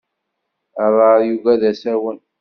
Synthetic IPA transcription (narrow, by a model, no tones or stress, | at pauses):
ərˤːɑɾjuɡæðæsæɾwən